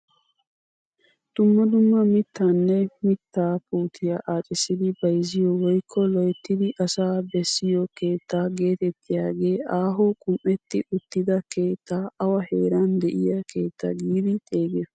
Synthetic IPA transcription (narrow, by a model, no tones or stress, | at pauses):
d̪̥ʊmːɐd̪ʊmːɐmɪt̪ʰːaːnːɛmɪt̪ːaːpuːt̪ʰɪjɐʔaːt͡ʃʼɪsɪd̪ɪbɐjzɪjɔwɔjkʰːɔlɔjt̪ːɪd̪ɪʔɐsaːbɛsːɪjɔke̞ːt̪ʰːaːɡe̞ːt̪ɛt̪ʰːɪjaːɡe̞ːʔaːɦoːkʼʊmʔɛt̪ːɪʔʊt̪ːɪd̪ɐke̞ːt̪ʰːaːʔɐwɐhe̞ːɾɐnd̪ɛʔɪjɐke̞ːt̪ːɐ̰ɡiːd̪ɪt̪ʼe̞ːɡɛ